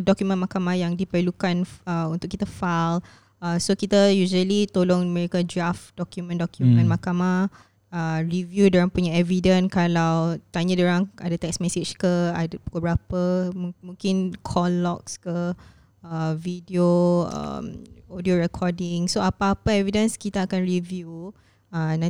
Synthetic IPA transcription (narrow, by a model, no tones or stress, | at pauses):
dɔkjumə̃nmakamahjaŋdipəlukanəunt̪ʊʔkːit̪afal | əsokit̪ajuʒəlit̪olʊŋməɾikad͡ʒɹafdɔkjumə̃ndɔkjumə̃nmakama | əɹivjudaɾaŋpuɲaɛvidənkalawt̪aɲədaɾaŋa̰dət̪ɛksmɛset͡ʃkəadbukabəɾapəmmũŋkɪnkʰɔlːɔk̚skə | əvidioə̰modioɹɛkʰɔdɪŋsoapaːpaɛvidə̃nskit̪aːkanɹivju | əna